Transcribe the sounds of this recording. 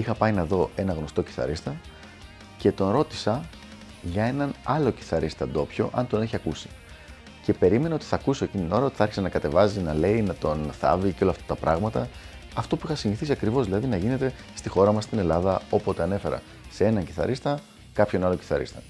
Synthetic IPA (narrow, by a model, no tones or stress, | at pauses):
ixɐpɐinɐðo̞ʔe̞nɐɣno̞st̪o̞ci̥θɐ̰ɾist̪ɐ | ce̞t̪o̞nɾo̞t̪i̥sɐ | ʝɐe̞nɐnɐlo̞ci̥θɐɾʔist̪ɐd̪o̞pço̞ʔɐnt̪o̞ne̞çiɐkusi̥ | ce̞pe̞ɾime̞nɐo̞t̪i̥θɐkusiocint̪ino̞ɾɐo̞t̪i̥θɐɾçi̥sɐnɐkɐt̪e̞vɐzinɐle̞inɐt̪o̞nθɐ̰viceo̞lɐft̪ɐt̪ɐpɾɐɣmɐt̪ɐ | ɐft̪o̞puixɐsiniθisiɐkɾivo̞zðilɐðinɐʝine̞t̪e̞ | st̪ixo̞ɾɐmɐst̪ine̞lɐðɐo̞po̞t̪e̞ɐne̞fe̞ɾɐ̰ | see̞nɐɲci̥θɐ̰ɾist̪ɐ | kɐpçonɐloci̥θɐɾḭst̪ɐ̥